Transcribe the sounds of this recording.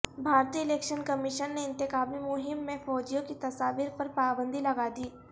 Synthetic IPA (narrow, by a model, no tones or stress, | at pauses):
bʱaːɾt̪iːɪleːkʃənkɐmɪʃənːeɪ̃nt̪ɪkaːmimʊɦɪmːẽfɔːd͡ʒijõkit̪ɐsaːʋiɾpɐɾpaːbə̃nd̪ilɐɡaːd̪iː